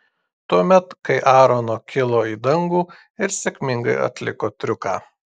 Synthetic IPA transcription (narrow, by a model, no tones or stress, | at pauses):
t̪uɔmʲɛt̪kɐɪʔɑːɾonoːkʲɪlˠoːiːd̪ɐŋɡuː | ɪɾsʲekʲmʲɪŋɡɐɪɐ̰t̪ʲlʲɪ̰koːt̪ʲɾʲʊkɑ̰ː